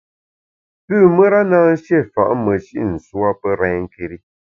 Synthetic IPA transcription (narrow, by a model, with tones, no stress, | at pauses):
pʉː˦˨mə˦ɾa˦naː˦n̩˦ʃjɛ˦˨fa̰˨ʔmə˨ʃḭ˦ʔn̩˨swa˦pə˦ɾɛ˨˦ŋ̩˦˨ke˨ɾi˦